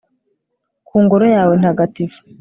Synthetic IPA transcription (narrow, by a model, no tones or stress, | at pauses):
kuːŋɡoɾojaːwe̞nhaɡatifu̥